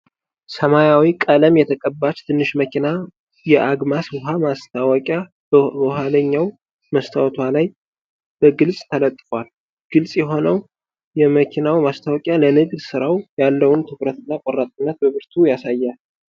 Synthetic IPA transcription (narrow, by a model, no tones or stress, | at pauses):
səmajawikʼələmjɛt̪ʰəkʼəbːat͡ʃt̪ʰɨnːɨʃməkʰina | jɛʔaɡmaswʊɦamast̪ʰawɔkʼja | əɦaləɲːaw | məst̪ʰawɔt̪ʰwalaj | b̥əɡɨlsʼt̪ʰələt̪ʼːɨfwal | ɡ̥ɨlsʼjɛɦo̞nəw | jɛməkʰinawmast̪ʰawɔkʼjalənɨɡd̪sɨɾawjalːəwʊnt̪ʰɨβɾət̪ɨnːakʼɔɾːat̪ʼɨnːət̪̚bəβɨɾt̪ʰujasajːal